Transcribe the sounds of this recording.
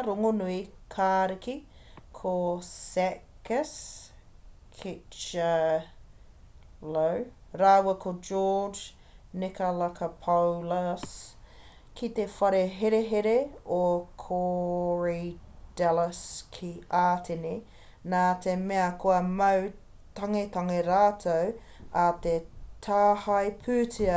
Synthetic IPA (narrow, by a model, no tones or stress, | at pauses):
ɾoŋonuikʰaːɾikikʰosɛkəs | kʰit͡ʃɐ | lowɾɐwwɐkʰod͡ʒɔːd͡ʒ | nɪkɐlɐkʰɐpʰowlɐs | kʰit̪efɐɾeɦeɾeɦeɾeokʰoɹid̥ɛlɐskʰiaːtʰeni | naːt̪emeɐkʰoɐmɐw | t̪ɐŋet̪ɐŋeɾaːt̪ʰow | ɐt̪et̪ʰaːhɐjpʰʉːtʰiɐ